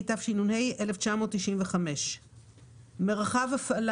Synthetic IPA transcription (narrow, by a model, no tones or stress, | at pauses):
tafʃinunhe̞jʔeleft͡ʃamo̞ːtːiʃʔimveχame̞ʃ | meʁaχavafal